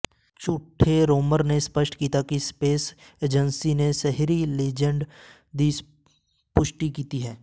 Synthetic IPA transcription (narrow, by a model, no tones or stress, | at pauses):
t͡ʃuʈʰːeɾoːməɾnespəʃʈkiːt̪akispeːseːd͡ʒənsinesɛɦɾileːd͡ʒə̃ɳɖ | d̪is | pʊʃʈikiːt̪iɦɛː